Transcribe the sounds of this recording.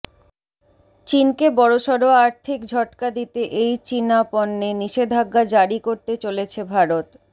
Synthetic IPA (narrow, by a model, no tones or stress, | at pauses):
t͡ɕinkebɔɽoʃɔɾoaɾt̪ʰikd͡ʑʱɔʈkad̪it̪eʔejt͡ɕinapɔnːeniʃed̪ʱaɡːad͡ʑaɽikoɾt̪et͡ɕolet͡ɕʰebʱaɾot̪